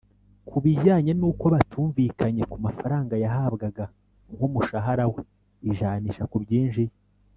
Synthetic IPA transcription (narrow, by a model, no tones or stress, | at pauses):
kʰuβiɟaːɲe̞nuːko̞βatʰuːɱvikaɲe̞kumafaɾaːŋɡajaɦaβɡaɡa | ŋɡumuʃaɦaɾawe | iʒaːniːʃakubɟiːnʒije